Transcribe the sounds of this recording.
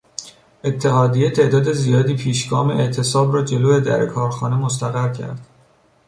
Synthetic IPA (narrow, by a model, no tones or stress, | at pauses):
ʔe̞t̪ʰːeɦɒːd̪ijet̪ʰe̞ʔd̪ɒːd̪e̞zijɒːd̪iːpʰiːʃɡɒːmeʔeʔt̪ʰe̞sɒːbrɒːd͡ʒe̞loːe̞d̪æ̰ɾkʰɒːɾxɒːnemos̬t̪æɣæɾcʰæ̰ɾd̪̥